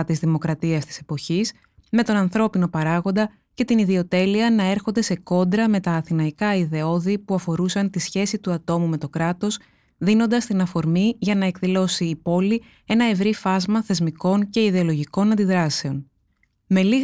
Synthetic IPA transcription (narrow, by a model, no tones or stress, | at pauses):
t̪izðimo̞kɾɐt̪iɐst̪i̥se̞po̞çis | me̞t̪o̞nɐnθɾo̞pino̞pɐɾɐɣo̞nd̪ɐ | ce̞t̪iniðio̞t̪e̞liɐnɐe̞ɾxo̞nd̪e̞se̞ko̞nd̪ɾɐme̞t̪ɐːθinɐikɐiðe̞o̞ðipuɐfo̞ɾusɐnt̪isçe̞sit̪uɐt̪o̞mume̞t̪o̞kɾɐt̪o̞s | ðino̞nd̪ɐst̪inɐfo̞ɾmiʝɐnɐe̞kðilo̞siːpo̞li | e̞nɐe̞vɾifɐzmɐθe̞zmiko̞nce̞iðe̞o̞lo̞ʝiko̞nɐnd̪iðɾɐse̞o̞n | me̞liɣ